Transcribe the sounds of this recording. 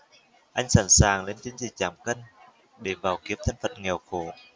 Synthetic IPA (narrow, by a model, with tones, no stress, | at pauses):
ʔa˧jŋ̟saː˧˩nsaː˨˩ŋle˧nt͡ɕï˨˦ŋ̟zḭ˨˩t͡ɕaː˧˩mkə˧jŋ | ɗe˧˩vaː˨˩wki˨˦əp̚t̪ʰə˨˧jŋ̟fə˨˩t̚ŋɛ˨˩wxo˧˩˦